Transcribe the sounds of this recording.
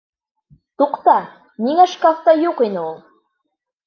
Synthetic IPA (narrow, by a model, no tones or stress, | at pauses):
t̪uqt̪ɑ | niŋæʃkaft̪ɑjuqinɘulˠ